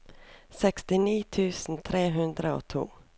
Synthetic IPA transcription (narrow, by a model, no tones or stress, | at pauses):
sɛkst̪ɪniːt̪ʰʉːsn̩t̪ʰɾeːɦɵnd̪ɾao̰ːt̪ʰṵː